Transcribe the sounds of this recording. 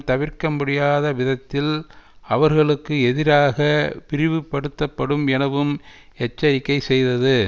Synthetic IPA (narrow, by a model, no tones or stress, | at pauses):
t̪ɐʋɪɾkɐmːʊɽɪjaːðɐʋɪðɐt̪ːɪlɐʋɐɾɣɐɭɯkːɯɛðɪɾaːɣɐʋɪɾɪʋɯpːɐɽɯt̪ːɐpːɐɽɯmɛnɐʋɯmɛt͡ʃːɐɾɪkːɐɪsɛjðɐðɯ